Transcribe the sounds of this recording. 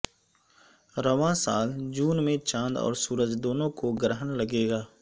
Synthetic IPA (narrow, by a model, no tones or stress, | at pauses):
ɾəʋãsaːld͡ʒuːnmẽt͡ʃãːnd̪ɔ̰ːɾsuːɾəd͡ʒd̪oːnõkoɡɾəɦənləɡeːɡaː